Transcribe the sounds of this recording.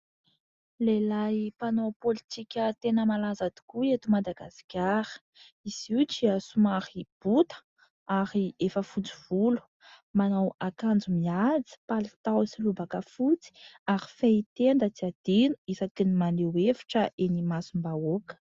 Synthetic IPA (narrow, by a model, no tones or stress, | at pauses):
lelajpanopolit̪ikʲət̪enəmalazad̪i̥kuet̪umad̪aɡasi̥kʲaɾə̥ | iz̥iwt͡ʃiasumaɾib̥ut̪ə̥ | aɾiefəfut͡siv̥ulu̥ | manawakand͡zumiad͡zi̥palit̪awsilubakəfut͡si̥aɾifeit̪end̪ət͡siad̪̥inuisakinimalewevi̥ʈ͡ʂəʔenimasumbaokə̥